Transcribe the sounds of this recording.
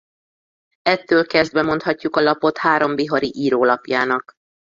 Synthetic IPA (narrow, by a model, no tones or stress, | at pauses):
ɛt̪ːøːlkɛzd̪bɛmo̞nt̪hɒcːukɒlɒpo̞t̪haːɾo̞mbiɦoɾiʔiːɾoːlɒpjaːnɒk